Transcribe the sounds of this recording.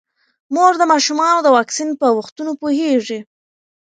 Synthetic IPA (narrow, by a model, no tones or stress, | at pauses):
moɾd̪əmɑʃumɑnod̪əwɑksinpəwaxt̪unopoheʐi